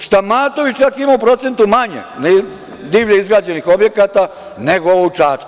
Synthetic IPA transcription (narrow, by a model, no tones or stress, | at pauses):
st̪amaːt̪oʋit͡ʃakimaupɾo̞t̪se̞nt̪umaɲḛne | d̪iːʋʎeizɡɾaːd͡ʑenixo̞bje̞kat̪a | neɡooʋout͡ʃaːt͡ʃ